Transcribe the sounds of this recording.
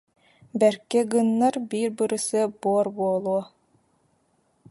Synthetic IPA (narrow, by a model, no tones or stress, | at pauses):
bɛɾkːɛɡɯnːaɾbiːɾbɯɾɯsɯbuɔɾbuɔlˠuɔ